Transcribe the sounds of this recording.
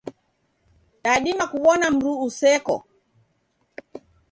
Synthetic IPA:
ɗaɗimakuɓɔnam̩ɾuːsɛkɔ̰

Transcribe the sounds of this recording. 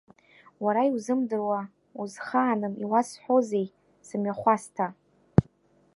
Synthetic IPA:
waɾaiwzɨmdɨrwa | uzχaːnɨmiwasħʷoze̞j | sɨmɥaχʷastʰa

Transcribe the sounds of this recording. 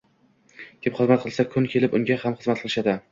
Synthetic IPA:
kʲʰepχɨzmat̪̚qʰɨlˠsakʰʊnkʲʰe̞lɪpʊŋɡʲahamχɨzmat̪̚qʰɨlˠɪʃad̪ɪ

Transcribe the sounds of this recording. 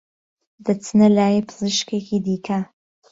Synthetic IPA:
d̪ɐt͡sʰɨnɐlaːjipʰɨzɨʃkeːkʰiːd̪iːkʰɐ

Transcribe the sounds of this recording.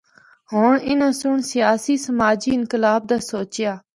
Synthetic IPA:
ɦoːɳɪnə̃sʊɳsɪjaːsiːsəmaːd͡ʒiːɪnkɪlaːb̚d̪aːsoːt͡ʃɪjaː

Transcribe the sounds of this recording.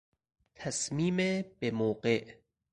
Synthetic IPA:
t̪ʰæsmiːmebemoːɢeʔ

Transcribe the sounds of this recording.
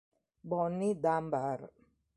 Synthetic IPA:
bɔnːid̪ambaɾ

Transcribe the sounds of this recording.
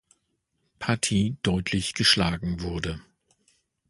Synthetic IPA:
pʰatʰiːd̥ɔʏtʰlɪçɡ̥əʃlaːɡŋ̩vʊɐdə

